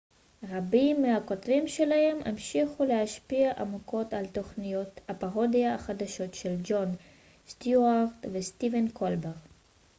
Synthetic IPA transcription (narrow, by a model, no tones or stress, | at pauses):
ʁabimːehako̞tvimʃe̞lahe̞memʃiχulehaʃpiaʔamuko̞talt̪o̞χnijo̞thapaʁo̞diaaχad̪aʃo̞tʃe̞ld͡ʒo̞n | st̪juaʁt̪vest̪ivenkʰo̞lbeʁ